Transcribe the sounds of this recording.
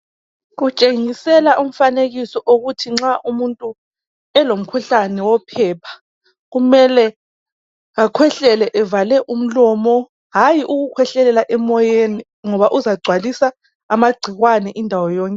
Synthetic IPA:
ɣut͡ʃʼeŋisɛlaʔum̩faneɣisɔʔoɣutʰiŋ͡ǁaʔumuntʼu | ɛlom̩kʰuɬanɛwɔpʰɛːpʰḁ | ɣumɛlɛ | akʰwɛɬɛlɛʔɛvalɛʔum̩lɔmɔ | ɦajiʔuɣukʰwɛɬɛlɛlaʔɛmɔjeni | ŋɔβaʔuzaɡ͡ǀʱwalisa | maɡ͡ǀʱiɣwanɛʔindʱawɔjɔːŋkʼɛ

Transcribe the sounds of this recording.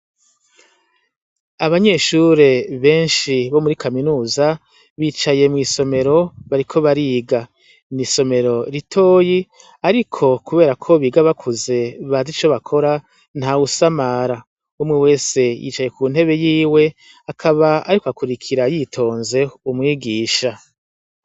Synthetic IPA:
aβaɲe̞ːʃuɾe̞βe̞ːnʃiβo̞muɾikaminuːza | βiːt͡ʃaje̞mŋiːso̞me̞ɾo̞βaɾikʰo̞βaɾiːɡa | niso̞me̞ɾo̞ɾitʰo̞ːji | aɾikʰo̞kuβe̞ːɾakʰo̞βiːɡaβakʰuze̞βazit͡ʃo̞βakʰo̞ɾa | nhausamaɾa | umŋiwe̞ːse̞jḭːt͡ʃaje̞kuːnhe̞βe̞jiːwe̞ | akʰaβaaɾikoakuɾikʰiɾajitʰo̞ːnze̞umŋiːɡiːʃa

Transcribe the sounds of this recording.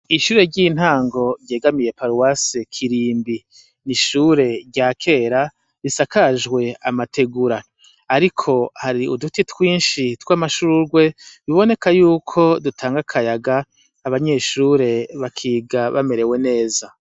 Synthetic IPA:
iʃuːɾe̞ɟiːn̥haːŋɡo̞ɾje̞ːɡamije̞paɾuwasekʰiɾiːmbi | niʃuːɾe̞ɾɟaːkʰe̞ːɾa | ɾisakaʒɡwe̞a̰matʰe̞ɡuɾaː | ɾikʰo̞haɾiʔṵdutitwiːnʃitwaːmaʃuɾuɾɡwe̞βiβo̞ne̞kajuːkʰo̞dutʰaːŋɡakʰajaɡaː | βaɲe̞ʃuːɾe̞βakʰiːɡaβa̰me̞ɾe̞we̞ne̞ːza

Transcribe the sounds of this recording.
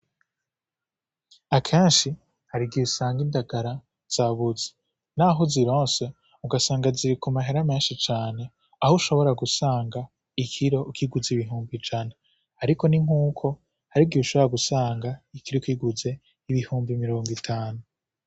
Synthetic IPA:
akʰe̞ːnʃi | haɾiɡiusaːŋɡindaɡaɾa | z̥aːβuzi̥ | naɦuziɾõːnse̞ | uɡasaːŋɡaziɾikumaɦeɾame̞ːnʃit͡ʃaːne̞ | ahuʃo̞βo̞ɾaɡusaːŋɡa | ikʰiɾo̞ukiɡuziβiɦuːmbid͡ʒane | aɾiko̞niŋ̥uːkʰo̞ | haɾiɡiuʃo̞βoɾaɡusaːŋɡaikiɾokiɡuze̞ | iβihuːmbimiɾo̞ːŋɡwitʰaːnu

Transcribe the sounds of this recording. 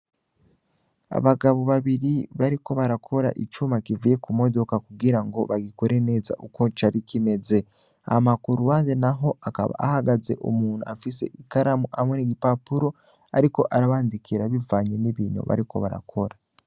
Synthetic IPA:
a̰βaɡaβo̞βaβiɾiβaɾiko̞βaɾakʰo̞ɾa̰ʔit͡ʃumakivuje̞kumo̞do̞kakuɡiɾaŋɡo̞βaɡiko̞ɾe̞ne̞ːza̰ʔuko̞t͡ʃaɾikʰime̞ze̞ | a̰makuɾuwaːzenaɦo̞aka̰βa̰ahaɡaze̞̰ʔṵmuːn̤̥uafise̞̰ʔikaɾamuha̰mweniɡipapuɾo̞ | aɾiko̞ʔaɾaβaːndikiɾaβivaːɲeniβiːno̰βa̰ɾiko̞̰βaɾa̰kʰo̞ɾa

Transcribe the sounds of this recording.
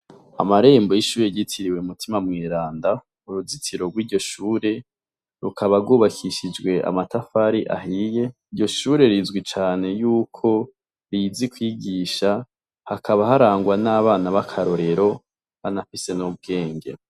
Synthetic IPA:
a̰maɾe̞ːmbojiʃuːɾeɟitʰiɾiwe̞umutimamŋiːɾaːnda | uɾuzitʰiɾo̞ɡwiːɾɟo̞ʃuːɾe̞ | ɾṵkʰaβaɡuːβakʰiʃid͡ʒɡwe̞ʔa̰matafaɾiʔa̰ɦije̞iɾɟo̞ʃuːɾe̞ɾizɡwit͡ʃaːne̞juːkʰo̞ | ɾizikwiɡiʃa | hakʰaβaɦaɾaːŋɡwanaːβaːnaβakʰaɾo̞ɾe̞ɾo̞ | βanafise̞nub̚ɡe̞ːŋɡe̞̰

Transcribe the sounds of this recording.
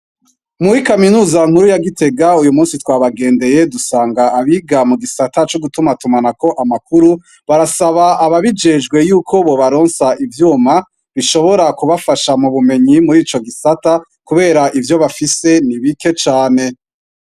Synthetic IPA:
muɾikaminuːzaŋ̥huɾujaɡite̞ɡaujumuːnsitwaːβaɡe̞ːnde̞je̞dusaːŋɡaːβiɡamuɡisatat͡ʃoɡutumatumanako̞ʔamakuɾu | βaɾasaβaaβaβid͡ʒe̞d͡ʒɡwe̞juːkʰo̞βo̞βaɾo̞ːnsaʔivjuːma | βiʃo̞βo̞ɾakuβafaʃamuβume̞ɲimuɾiːt͡ʃo̞ɡisata | kuβe̞ːɾaʔivjo̞βafise̞niβike̞t͡ʃaːne̞

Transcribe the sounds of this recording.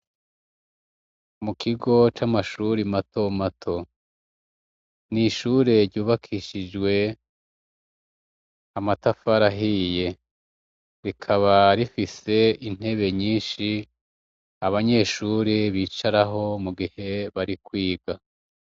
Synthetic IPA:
mukʰiɡo̞t͡ʃamaʃuɾimato̞matʰo̞ | niʃuːɾe̞ɾɟuːβakʰiʃid͡ʒwe̞ | amatafaɾaɦije̞ | ɾikʰaβaɾifise̞in̥e̞βe̞ɲiːnʃi | aβaɲe̞ːʃuːɾeβiːt͡ʃaɾaɦo̞muɡihe̞βaɾikwiːɡa

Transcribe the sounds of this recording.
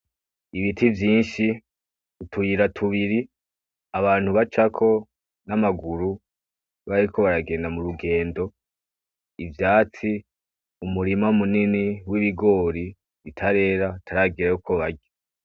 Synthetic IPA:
iβitivjiːnʃi | utʰuiɾatʰuβiɾi | aβaːn̥huβat͡ʃakʰo̞ | namaɡuɾu | βaɾikʰo̞βaɾaɡe̞ːndamuɾuɡe̞ːndo̞ | ivjaːt͡si | umuɾimaumuniniwiβiɡo̞ːɾi | βitʰaɾe̞ːɾatʰaɾaɡiɾajukʰo̞βaɟo

